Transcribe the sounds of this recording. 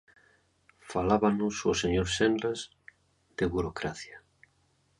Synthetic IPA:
falaβanusoseɲoɾsenlaz | d̪̥eβuɾokɾaθja

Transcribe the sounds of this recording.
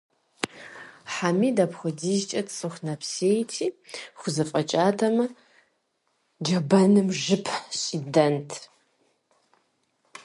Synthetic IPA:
ħamiːdɐpxʷʊdiːʒt͡ʃʼɐtʼt͡sʼɨxʷnɐpʰseːjtʰiːxʷʊzɐfʼɐt͡ʃʼaːtʰɐmɐ | d͡ʒɐbɐnɨmʒɨpʰɕʼidɐntʰ

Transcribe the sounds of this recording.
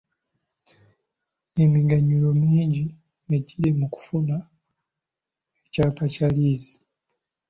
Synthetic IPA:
emiɡaɲulo̞miːɲɟi | eɟiɾemuku̥funa | ecaːpacaliːzi̥

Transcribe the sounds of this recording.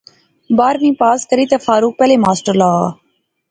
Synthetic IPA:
baːɾmĩːpaːskəɾiːt̪eːfaːɾuːk̚pɛːleːmaːsʈəɾlaːa̰ː

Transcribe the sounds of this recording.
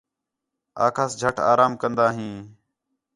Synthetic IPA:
a̰ːkʰaːsd͡ʒʱəʈʰa̰ːɾaːmkənd̪aːɦĩː

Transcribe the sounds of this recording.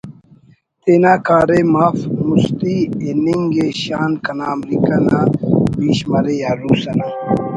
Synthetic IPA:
t̪enaːkaːɾemaːfmust̪ieniŋɡeɕaːnkɐnaːmlikanaːbiːɕmɐɾejaːɾuːsɐna

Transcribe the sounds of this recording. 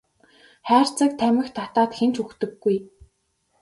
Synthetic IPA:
χæːr̥t͡sə̆k̚t̪ʰæmʲɪ̆xt̪ʰat̪aːt̪xent͡ɕuxt̪ɵ̆ɡːuj

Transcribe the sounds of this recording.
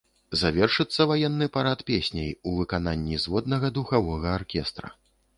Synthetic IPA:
zavʲɛrʂɨt̪sːɐvajɛnːɨpaɾat̪pʲesʲnʲejuvɨkananʲːizvɔd̪nɐɣɐd̪uxavɔɣɐarkʲɛst̪ɾɐ̰

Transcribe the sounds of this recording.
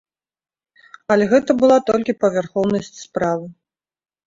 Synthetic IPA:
ɐlʲɛɣɛt̪ɐbɨlˠat̪ɔlʲkʲipɐvʲarxɔwnɐsʲt͡sʲspɾavɨ

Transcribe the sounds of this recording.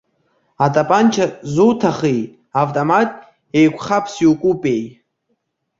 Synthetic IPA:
atʼapʼant͡ʃʰazuwtʰaχej | avtʼomatʼ | ejkʷʰχapʰsiwkʷʼupʼej

